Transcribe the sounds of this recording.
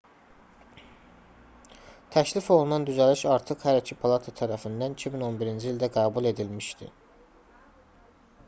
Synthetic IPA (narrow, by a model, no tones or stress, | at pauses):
t̪ʰæçlifo̞lˠunɑnd̪yzæliʃɑɾt̪ʰɯχhæɾicʰipʰalˠɑt̪ʰɑt̪ʰæɾæfind̪ænicʰimino̞nbiɾind͡ʒiːlʲd̪æɡɑːbulˠe̞d̪ilmiʃd̪ḭ